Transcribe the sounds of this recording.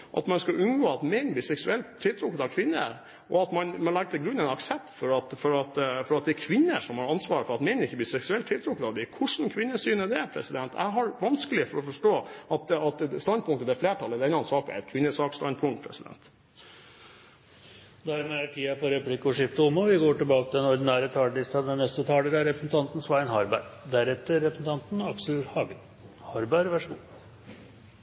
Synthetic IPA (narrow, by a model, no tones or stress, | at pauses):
ʔɑ̰t̪mɑnskɑʔʉnɡoːɑt̪mɛnbliːsɛksʉɛlt̪t̪ʰːɪlt̪ʰɾʊkːəd̪ɑʋkʰʋɪnːə̰ | ʔɔɑt̪mɑnmɑnlɑɡ̚t̪ʰɪlɡɾʉnːɛɪnɑksɛp̚t̪fɔɾɑt̪fɔɾɑt̪fɔɾɑt̪̚d̪ɛækʰʋɪnːəʂɔmhɑɾɑnsʋɑːɾəfɔɾɑt̪mɛnɪçːəbliːsɛksʉɛlt̪ʰːɪlt̪ʰɾʊkːəd̪ɑʋd̪ɪkʰʊʂn̩kʰʋɪnːəsyːnəd̪ɛpʰɾɛ̰sɪd̪ɛnt̪ʰæ̰ɪɦɑɾʋɑnskəlɪəfɔɾɔfɔʂʈoːʔɑt̪̚ɑt̪st̪ɑnd̪pʊŋkt̪əd̪ɛfleːʈʰɑlːəd̪ɛnlɑnsɑːkæ̰ɾɛt̪kʰʋɪnːəsɑːkst̪ɑnd̪pʰʊŋt̪̚pʰɾɛ̰sɪd̪ɛ̰nt̪ | d̪æɾmɛæʈʰiːɑpɔɾɛplɪkɔʂɪft̪əʊmːɔʋɪɡoːʈɪlbɑːkət̪ɪd̪ɛnɔɖ̪ɪnæːɾət̪ʰɑːləɖɪst̪ɑd̪ɛnnɛst̪ət̪ʰɑːləɾæɾɛpɾəsn̩t̪ʰɑnt̪n̩sʋæɪnhɑɾbæɾd̪æɾɛt̪ːəɾːɛpɾsn̩t̪ʰɑnt̪nɑksl̩hɑːɡə | hɑɾbæɾʋæʂəɡuː